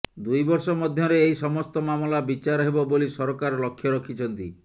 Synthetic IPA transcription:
d̪ujbɔɾsɔmɔd̪ʱjɔɾeːisɔmɔst̪ɔmamɔlabit͡ʃaɾɔɦebɔbolisɔɾɔkaɾɔlɔkʰjɔɾɔkʰit͡ʃʰɔnt̪ḭ

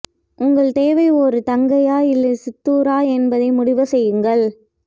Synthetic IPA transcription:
ʔʊŋɡɐɭt̪eːʋɐɪɔɾɯt̪ɐŋɡɐjaːɪlːɐsɪt̪ːuːɾaːɛnbɐðɐɪmʊɽɪʋɐsɛjːɯŋɡɐɭ

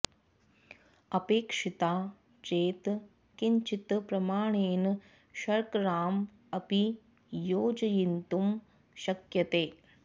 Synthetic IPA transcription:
ɐpeːkʂit̪aː | t͡ʃeːt̪ | kiɲt͡ʃit̪pɾɐmaːɳeːn | ʃɐɾkɾaːm | ɐpi | joːd͡ʒɐjint̪um | ʃɐkjɐt̪eː

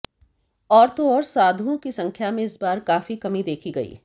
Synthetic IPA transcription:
ɔːɾt̪oɔːɾsaːd̪ʱõkisɐ̃ŋkʰjamẽɪsbaːɾkaːfikɐmid̪eːkʰiɡɐḭː

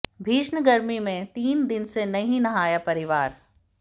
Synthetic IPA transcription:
bʱiːʃnəɡɐɾmimẽt̪iːnd̪ɪnsenɐɦĩnɐɦaːjapɐɾɪʋaːɾ

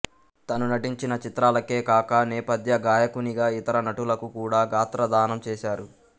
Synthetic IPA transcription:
t̪ɐnunɐʈiɲt͡ʃinɐt͡ʃit̪ɾaːlɐke̞ːkaːkɐnɛːpɐd̪ʱjɐɡaːjɐkuniɡaːit̪ɐɾɐnɐʈulɐkukuːɽaːɡaːt̪ɾɐd̪aːnɐmt͡ʃɛːʃaːɾu

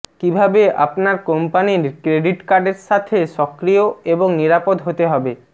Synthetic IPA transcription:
kibʱabea̰pnaɾkɔmpaniɾkɾeɖiʈkaɾɖeɾʃat̪ʰeʃɔkɾijoeboŋniɾapod̪ɦot̪eɦɔbe

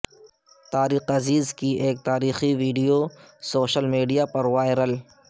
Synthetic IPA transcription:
t̪aːɾiːxɐziːzkiʔeːk̚t̪aːɾiːxiʋiːɖijosoːʃəlmiːɖijapɐɾʋaːɪɾəl

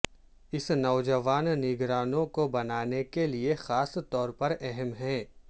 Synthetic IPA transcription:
ɪsnɔːd͡ʒəʋaːnːɪɡɾaːnõkobɐnaːnekeliexaːst̪ɔːɾpɐɾɛɦɛmɦɛ̃ː

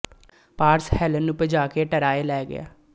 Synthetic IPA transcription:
paːɾshɛːlənːʊpəd͡ʒaːkeːʈəɾaːelɛːɡɪ̰ja̰ː

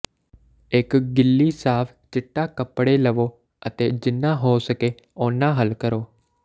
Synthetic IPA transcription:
ɪkɡɪlːiːsaːpʰt͡ʃɪʈːaːkəpːɽeːləʋoː | ət̪eːd͡ʒɪnːãːɦoːsəkeː | oːnãːɦəlkəɾoː

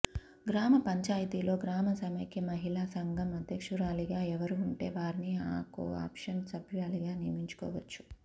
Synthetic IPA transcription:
ɡɾaːmɐpɐɲt͡ʃaːjɐt̪ilo̞ːɡɾaːmɐsɐmɐkimɐɦilaːsɐŋɡɐmɐd̪ʱjɐkʂuɾaːliɡaːɛʋɐɾuːɳʈe̞ːʋaːɾinia̰ːko̰ːa̰ːpʂɐnsɐbʱjiʋaːliɡaːnijɐmiɲt͡ʃu̥kɔ̰ːʋɐt͡ʃːu̥

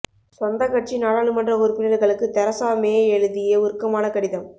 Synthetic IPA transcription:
sɔnd̪ɐkɐʈ̚t͡ʃinaːɽaːɭɯmɐndrɐɔɾɯpɪnɐɾɣɐɭɯkːɯt̪ɛɾɐsaːmeːɛɻɯðɪjɐʊɾɯkːɐmaːnɐkɐɽɪðɐm

